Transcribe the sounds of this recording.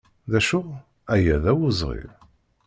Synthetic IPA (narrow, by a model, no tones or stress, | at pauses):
ðæʃuʁ | æjæðæwuzˤʁḭv